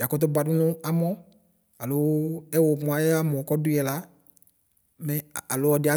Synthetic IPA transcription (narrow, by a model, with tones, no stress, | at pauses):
ja˨kɔ˦t̬ʊ˦ba˨dʊ˦nʊ̃˦a˨mɔ˦ | a˨lʊ˨˦ɛ˦wo˨mʊ˨a˦jɛ˦a˦mɔ̃˨kɔ˦dʊ˦ɛ˨la˨˦ | mɛ˦˨a˨lʊ˦ɔ˨˦dɪ˨˦a˦